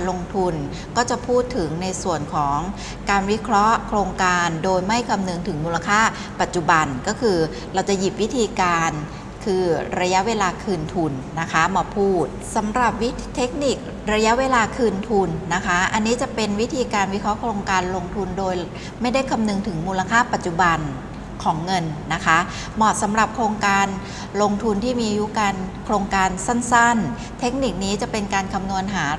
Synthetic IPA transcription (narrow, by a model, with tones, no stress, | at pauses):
lo˧ŋt̪ʰu˧n | kɔː˥˩t͡ɕa˨˩pʰuː˥˩t̪ʰːɯ˩˦ŋna˧jsu˨˩ənkʰɔː˩˦ŋ | kaː˧nwi˦˥kʰɾɔ˦˥ʔkʰɾoː˧ŋkaː˧ndoː˧jma˥˩jkʰa˧mnɯ˧ŋt̪ʰɯ˩˦ŋmuː˧la˧kʰaː˥˩ | pa˨˩t̪̚t͡ɕu˨˩ba˧nkɔː˥˩kʰɯː˧ | ɾa˧wt͡ɕa˨˩ji˨˩p̚wi˦˥t̪ʰiː˧kaː˧n | kʰɯː˧ɾa˧ja˦˥ʔweː˧laː˧kʰɯː˧nt̪ʰu˧nːa˦˥kʰa˦˥maː˧pʰuː˥˩t̪̚sa˩˦mɾa˨˩p̚wi˦˥ | t̪ʰe˦˥k̚ni˨˩k̚ | ɾa˧ja˦˥ʔweː˧laː˧kʰɯː˧nt̪ʰu˧nːa˦˥kʰa˦˥ʔa˧nːiː˦˥t͡ɕa˨˩pe˧nwi˦˥t̪ʰiː˧kaː˧nwi˦˥kʰɔ˦˥kʰɾoː˧ŋkaː˧nlo˧ŋt̪ʰu˧ndoː˧j | ma˥˩jda˥˩jkʰa˧mnɯ˧ŋt̪ʰɯ˩˦ŋmuː˧la˧kʰaː˥˩pa˨˩t̪̚t͡ɕu˨˩ba˧n | kʰɔː˩˦ŋːɤ˧nːa˦˥kʰa˦˥ | mɔː˨˩t̪̚sa˩˦mɾa˨˩p̚kʰɾoː˧ŋkaː˧n | loː˧ŋt̪ʰu˧nt̪ʰiː˥˩miː˧a˧ju˦˥kaː˧nkʰɾoː˧ŋkaː˧nsa˥˩nsa˥˩n | t̪ʰe˦˥k̚ni˨˩k̚niː˦˥t͡ɕa˨˩pe˧nkaː˧nkʰa˧mnu˧ənɦaː˩˦